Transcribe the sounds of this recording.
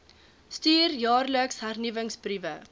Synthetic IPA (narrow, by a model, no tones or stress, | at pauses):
styːrjɑːrləksɦærnivəŋsbrivə